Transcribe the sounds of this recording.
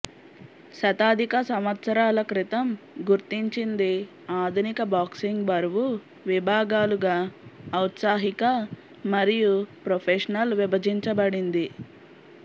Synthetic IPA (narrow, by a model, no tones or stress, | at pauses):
sɐt̪aːd̪ʱikɐsɐmɐt̪sɐɾaːlɐkɾit̪ɐmɡuɾt̪iɲt͡ʃind̪i | aːd̪ʱunikɐbaːksiŋɡbɐɾʋu | ʋibʱaːɡaːluɡaːwt̪saːɦikɐ | mɐɾijupɾopʰeːʂɐnɐlʋibɐd͡ʒiɲt͡ʃɐbɐɽind̪i